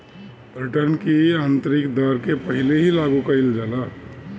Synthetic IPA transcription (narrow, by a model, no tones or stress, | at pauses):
ɾiʈəɾnkiãnt̪ɾikd̪əɾkepəɦileɦilaɡukəild͡ʒala